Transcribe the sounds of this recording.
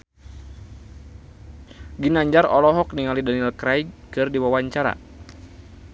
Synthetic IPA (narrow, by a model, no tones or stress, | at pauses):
ɡinaɲd͡ʒaɾɔlɔɦɔk̚niŋalidanilkɾajkɨrdiwawaɲt͡ʃaɾa̰